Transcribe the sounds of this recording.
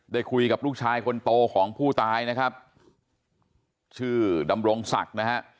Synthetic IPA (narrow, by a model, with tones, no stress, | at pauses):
daː˥˩jkʰu˧jka˨˩p̚ɾuː˥˩k̚t͡ɕʰaː˧jkʰo˧nt̪oː˧kʰɔː˩˦ŋpʰuː˥˩t̪aː˧jna˦˥kʰa˦˥p̚ | t͡ɕʰɯː˥˩da˧mɾo˧ŋsa̰˨˩k̚na˦˥kʰa˦˥ʔ